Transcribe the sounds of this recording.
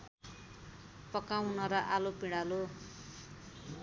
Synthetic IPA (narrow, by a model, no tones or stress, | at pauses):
pʌkawnʌɾʌʔalopiɽalo